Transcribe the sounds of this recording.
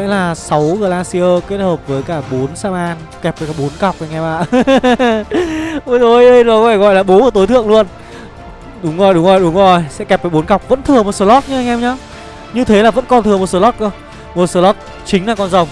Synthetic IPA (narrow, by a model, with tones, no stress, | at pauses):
ə̰˧˥jlaː˨˩sa˨˦wɣɨ˨˩əlaː˧nsi˧ʔəː˧ke˦˥t̚həː˨˩p̚vəː˨˦jkaː˧˩ɓo˨˦nsaː˧maː˧n | kɛ˨˩p̚vəː˨˦jkaː˧˩ɓo˨˦nka˨˩wk͡pʔa˧jŋʔɛ˧mʔaː˧˨ | o˧˦o˧˩jə˧nzɔ˨˩kɔ˦faː˧˩ɣɔ̰˧˨jlaː˨˩ɓo˨˦əː˧˩t̪o˨˦t̪ʰɨ̰˧˨əŋlu˧ən | ɗʊ˨˦ŋ͡mzo˨˩jɗʊ˨˦ŋ͡mzo˨˩jɗʊ˨˦ŋ͡mzo˨˩jsɛ̰˧˥kɛ˨˩p̚vəː˨˦jɓo˨˦nka˨˩wk͡p̚və̰˧˥nt̪ʰɨ˨˩əmo˨˩t̚soː˨˦lɔ˦˥t̚ɲɨ˧˥ʔa˧jŋʔɛ˧mɲa˨˦ | ɲɨ˧t̪ʰe˨˦laː˨˩və̰˧˥nkɔ˨˧˩nt̪ʰɨ˨˩ə˩m˨˩t̚səː˨˦lɔ˦˥t̚kə˧ | mo˨˩t̚səː˨˦lɔ˦˥t̚ | t͡ɕï˨˦ŋ̟laː˨˩kɔ˧nzə˨˩wŋ͡m